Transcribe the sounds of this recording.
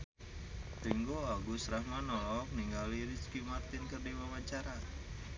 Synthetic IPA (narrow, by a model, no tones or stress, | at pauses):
t̪əŋɡoaɡusɾahmanɔlɔk̚niŋɡaliɾiskimart̪ɪnkərdiwamaɲt͡ʃaɾa